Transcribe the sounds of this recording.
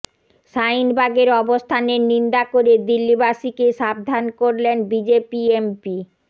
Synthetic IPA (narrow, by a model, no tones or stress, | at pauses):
ʃajnbʱaɡeɾɔbost̪ʰaneɾnind̪akoɾed̪ilːibaʃikeʃab̚d̪ʱankoɾlenbid͡ʑepiempi